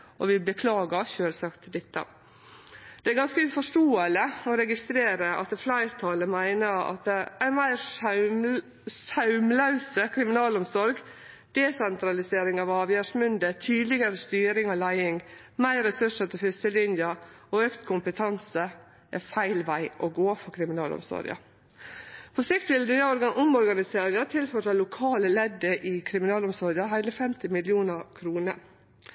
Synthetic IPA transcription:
ʔɔ̰ʋɪbəkʰlɑːɡɑʃøːlsɑkt̪d̪ɛt̪ːə̰ | d̪̥ɛæɾɡɑnskəʉfɔʂʈoːələɔɾɛɡɪst̪ɾeːɾəɑ̰t̪flɑɪɾt̪ʰɑːləmæɪnəɑ̰t̪æɪnmæɪɾ | sɑʉmlɑʉsəkʰɾɪmɪnɑːlɔmsɔɾɡ | d̪̥ɛsɛnt̪ɾɑlɪseːɾɪŋɑʋɑːʋjæʂmʏnd̪ət̪ʰyːd̪lɪɡəɾəst̪yːɾɪŋɑʋlæɪɪŋ | mæɪɾɛsʉʂət̪ʰɪlfʏst̪əlɪnjɑoøːkt̪kʰʊmpət̪ʰɑnsə | ʔɛfæɪlʋæɪʔoɡoːfɔkʰɾɪmɪnɑ̰ːlɔ̰msɔ̰ɾɑ̰ | pʰɔsɪkt̪ʋɪld̪yəɔɾɡɑʔʊmɔɾɡɑnɪseːɾɪŋət̪ʰɪlfɔʈɑlʊkʰɑːləlɛd̪ːəʔɪkʰɾɪmɪnɑːlɔmsɔɾɡɑɦæɪləfɛmt̪ɪmɪlɪuːnəɾkʰɾuːnə̰

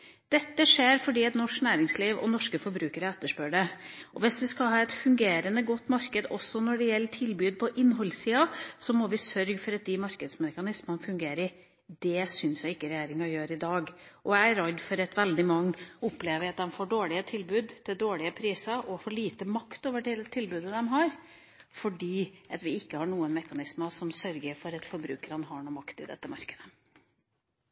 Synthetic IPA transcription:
d̪̥ɛt̪ːəʂeːɾfɔɖiːɛt̪nɔʂknæːɾɪŋsliːʋɔ̰nɔʂkəfɔɾbɾʉːkəɾəɛt̪ːəʂpøːɖɛʔɔʋɪsʋɪskɑɦɑːɛt̪fʉŋɡeːɾənəɡɔt̪ːmɑɾkəd̪ɔsːɔnɔɖɛjɛlːəʈʰɪlbʉːd̪̚pʰɔʔɪnːɦɔlsiːɑsɔmɔʋɪsœɾɡfɔɾɑt̪̚d̪ɪmɑɾkəd̪smɛkɑnɪsmənfʉŋɡeːɾɪ | d̪ɛsʏnsjæɪɡɪkːəɾɛjeːɾɪŋɑjøːɾɪd̪ɑːɡʔɔææɾɑd̪ːfɔɾɛt̪ʋɛld̪ɪmɑŋːʊpleːʋəɑt̪̚d̪ɛmfoːɖoːɭɪət̪ʰɪlbʉːd̪t̪ʰɪld̪oːɭɪəpʰɾiːsɑʔɔfɔɭiːt̪əmɑkt̪oːʋəɖɪlt̪ʰɪlbʉːd̪əd̪ɛmɦɑːɾ | fɔɖiːʔɑt̪ʋɪɪkːəhɑːɳuːənmɛkɑnɪsməsɔmsœɾɡəɾfɔɾɛt̪fɔɾbɾʉ̰ːkəɾɑnɦɑɳuːmɑkt̪ɪd̪ɛ̰t̪ːəmɑ̰ɾkəd̪ə

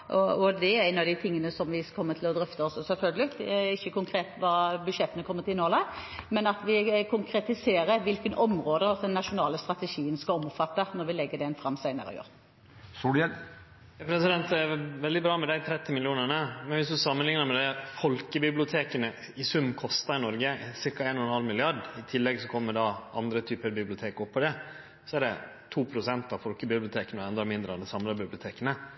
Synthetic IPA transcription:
ʔɔɔd̪ɛæʁæɪnɑd̪ɪt̪ʰɪŋːənəsɔmʋɪkʰɔmːət̪ʰɪlɔd̪ɾœft̪əɔsːɔsɛlfœlɡəlɪt̪ɪçːəkʊŋkʰɾeːt̪ʋɑbʉd̪ʃɛt̪ənəkʰɔmːət̪ʰɪlnoːləmɛnɑt̪ʋɪkʰʊŋkʰɾɛt̪ɪseːɾəɾʋɪlkənɔmɾoːd̪əɔd̪ɛnːɑʂʊnɑːləst̪ʁɑt̪ɛʃiːənskɑɔmːfɑt̪ːənɔɾʋɪlɛɡːəɖ̪ɛnfɾʁɑmːsæɪnə̰ɾɔ̰jø̰ːʁ | suɛ | pʰɾɛsɪd̪ɛnt̪ɛʋɛld̪ɪbɾɑːmɛd̪æɪt̪ʰɾɛt̪ːɪmɪlɪuːnəɳəmɛnʋɪsd̪ʉsɑmːənlɪŋnəɾmɛd̪ɛfɔlkəbɪblɪʊt̪ʰeːkənə | ɪsʉmːkʰɔst̪ɑɾɪnɔɾɡəsɪɾkɑeːnɔnɛnhɑlmɪlɪɑɖɪt̪ʰɪlːɛɡsɔkʰɔmːəɖɑʔɑnd̪ɾət̪ʰyːpəɾbɪblɪʊt̪ʰeːkɔpʰːɔd̪ɛ | sɔɛɖɛ | t̪ʰuːpʰɾʊsɛnt̪ɑʋfɔlkəbɪblɪʊt̪ʰeːkənɔɛnd̪ɾɑmɪnd̪ɾəɑd̪ɛsɑmlɑbɪblɪʊt̪ʰeːkənə

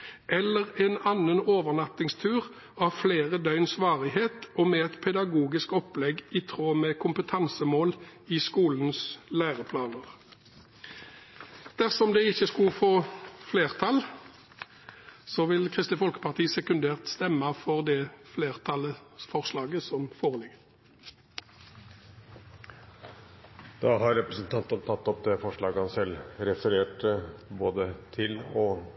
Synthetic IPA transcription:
ʔɛlːəʁɛnɑnːənoːʋəʁnɑt̪ɪŋst̪ʰʉːʁ | ɑʋfleːʁəd̪œʏnsʋɑːʁɪɦeːt̪ɔmɛɛt̪pʰɛd̪ɑɡuːɡɪskɔplɛɡit̪ʰʁoːmɛkʰʊmpət̪ʰɑnsəmoːlɪskuːln̩slæːʁəpʰlɑːnəʁ | d̪̥æʁsɔmd̪ɛɪçːəskʉlfoːfleːʁt̪ʰɑl | sɔʋɪlkʰʁɪst̪əfɔlkə̥pɑʁt̪ʰiːsɛkʉnd̪eːʁt̪st̪ɛmːɑfɔʁd̪ɛːfleːʁt̪ʰɑləfɔʁslɑːɡəsɔmfoːʁəlɪɡə | d̪̥ɑːhɑɾɾɛpɾəsnt̪ʰɑnt̪ənt̪ʰɑt̪ːɔp̚d̪ɛfɔʂɭɑːɡəhɑnsɛlɾɛfəɾeːʈboːd̪ət̪ʰɪlɔ

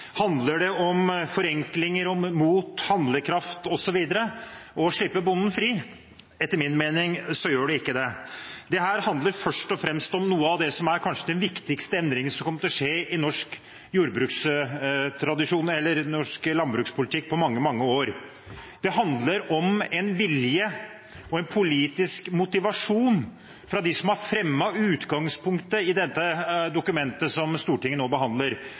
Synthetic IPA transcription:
hɑnd̪ləɖɛɔmfɔɾɛŋklɪŋəɾɔmuːt̪hɑnd̪ləkʰɾɑft̪ɔsɔʋiːd̪əɾəʔɔʂɭɪpːəbʊnn̩fɾiː | ɛt̪ːəɾmɪnmeːnɪŋsɔjøːɖɛɪkːəd̪ɛd̪ɛɦæːɾhɑnd̪ləɾfœʂʈɔfɾɛmst̪ɔmnuːəɑʋd̪ɛsɔmæɾkʰɑnʂəd̪ɛnʋɪkt̪ɪkst̪əɛnd̪ɾɪŋənsɔmkʰɔmːət̪ɔʂeːɪnɔʂk | juːɾəbɾʉːks | t̪ʰɾɑd̪ɪʂuːnɛlːəɾnɔʂklɑnbɾʉːkspʰʊlɪt̪ʰɪkːpʰɔmɑŋːəmɑŋːəoːɾ | d̪̥ɛɦɑnd̪ləɾɔmɛnʋɪljə | ɔɛnpʰʊliːt̪ɪskmʊt̪ɪʋɑʂuːn | fɾɑd̪ɪsɔmɑɾfɾɛmːɑʉːt̪ɡɑŋspʊŋkt̪əɪd̪ɛt̪ːəd̪ʊkʉmɛnt̪əsɔmst̪uːʈɪŋːənoːbəɦɑnd̪ləɾ

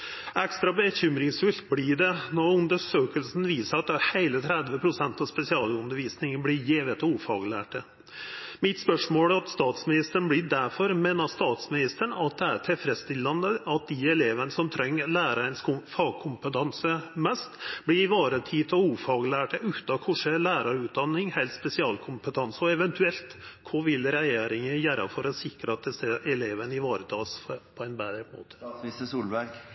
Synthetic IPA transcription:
ɛkst̪ɾɑbəçʏmɾɪŋsfʉlt̪̚blɪɖɛnɔɾʉnd̪əʂøːkəlsn̩ʋiːsəɾɑt̪̚d̪æheɪlət̪ʰɾɛd̪ʋəpʰɾʊsɛnt̪ɑspɛsɪɑːlʉnd̪əɾʋiːsnɪŋənblɪjeːʋət̪uːfɑ̰ːɡlæ̰ːʈə | mɪt̪spœʂmoːlæɾɑt̪st̪ɑːt̪smɪnɪst̪əəɳ̩blɪɖ̪æɾfɔɾmeːnɑst̪ɑːt̪smɪnɪst̪əɳɑt̪̚d̪ɛæɾt̪ʰɛlfɾɛst̪ɪlːɑnd̪əʔɑt̪̚d̪ɪɛleːʋənəsɔmt̪ʰɾɛŋːəlæːɾəɛɪnsfɑːɡ̚kʰʊmpət̪ʰɑnsəmɛst̪blɪɾɪʋɑːɾət̪ʰiːt̪ʰɔuːfɑːɡlæːʈəʉːt̪ɑkʰʊʂəlæːɾɑɾʉːt̪̚d̪ɑnːɪŋhɛlt̪spɛsɪɑːlkʰʊmpət̪ʰɑnsɔɛʋɛnt̪ʰʉɛlt̪kʰɔʋɪlɾɛjeːɾɪŋəjæːɾʔɑ̰fɔɾɔsɪkɾəɑt̪̚d̪ɛsəʔɛleːʋənɪʋɑːɾət̪ʰɑːspʰɔɛnbæːd̪ɾəmo̰ːt̪ʰə̥səsuːlbæɾk

